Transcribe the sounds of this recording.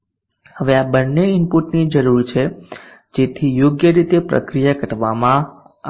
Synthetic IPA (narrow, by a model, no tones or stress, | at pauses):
həʋeabənːeɪmpuʈnid͡ʒəɾuɾt͡ʃʰe | d͡ʒet̪ʰijoɡjəɾit̪epɾə̰kɾijakəʈʋamã